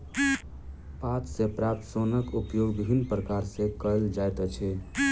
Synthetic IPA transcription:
pat̪sepɾap̚t̪sonəkupjoɡbibʱinːpɾəkaɾsẽkəld͡ʒajt̪ət͡ʃʰɛ

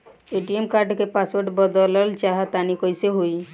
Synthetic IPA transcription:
eʈiemkaɾɖkepaswəɾɖbəd̪ələlt͡ʃaɦat̪anikɔjseɦoi

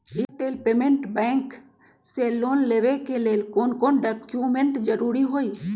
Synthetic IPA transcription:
ɪʈeːlpeːmẽɳʈbɛ̃ːŋk | seloːnleːʋekeleːlkoːnkoːnɖəkjumẽɳʈd͡ʒəɾuːɾiɦoːiː

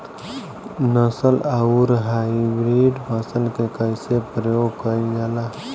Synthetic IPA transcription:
nəsəlauɾɦaibɾiɖmʰasəlkekəɪsepɾəjoːɡkəiɡɛla

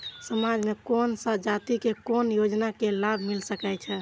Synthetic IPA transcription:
səmad͡ʒmekonsəd͡ʒat̪ikekonjod͡ʒnakelabʱmilsəkɛt͡ʃʰɛ

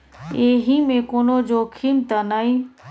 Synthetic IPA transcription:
eːɦiːmẽːkoːnoːd͡ʒoːkʰiːmt̪anaːiː

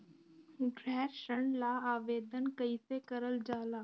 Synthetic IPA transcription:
ɡɾɛːɾʃəɳ̃laaːʋeːd̪ʱənkəisekəɾəld͡ʒaːlaː

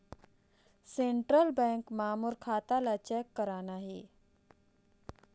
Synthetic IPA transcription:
seɳʈɾəlbɛ̃ŋkmaːmuɾkʰaːt̪alat͡ɕɛkːəɾanaɦḭ

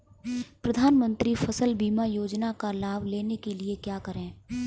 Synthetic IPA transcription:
pɾɐd̪ʱaːnmə̃nt̪ɾifɐsəlbiːmajoːd͡ʒnakalaːbʱleːnekeliekjaːkɐɾẽː

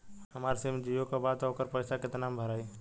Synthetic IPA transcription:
ɦəmaːɾsemd͡ʒijõkabaːd̪ɦokəɾpəɪsaket̪ənaːmbʱəɾaːi

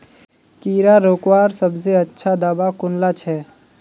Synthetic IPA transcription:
kiːɾaɾoːkwaːɾsəbzeətːʃʰad̪aːbakʊnlat͡ʃʰɛː

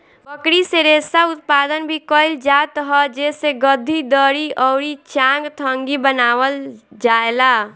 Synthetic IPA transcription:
pəkɽiseɾesaut̪̚pad̪ənbʱikəɪld͡ʒat̪ɦɔd͡ʒeseɡəd̪ʱːid̪əɾiʔɔɾit͡ʃãŋɡt̪ʰəŋɡibənawəld͡ʒaela

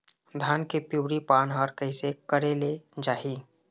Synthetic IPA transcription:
d̪ʱaːnkepjuːɾipaːnɦɔɾkəɪsekəɾeled͡ʒaːɦi

